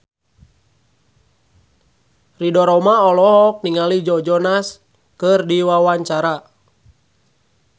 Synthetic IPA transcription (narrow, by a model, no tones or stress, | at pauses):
ridɔɾɔmaɔlɔɦɔk̚niŋalid͡ʒɔd͡ʒɔnas | kɨrdiwawaɲt͡ʃaɾa